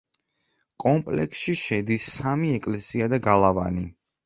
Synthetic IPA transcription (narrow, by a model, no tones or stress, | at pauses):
kʼɔmpʼlɛ̰ksʃiʃɛd̪isːamiɛkʼlɛsiad̪aɡalˠavani